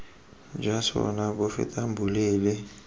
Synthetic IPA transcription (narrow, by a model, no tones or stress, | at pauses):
d͡ʒasɔ̰nabʊfɪ̰tʼam̩bʱuleːlɪ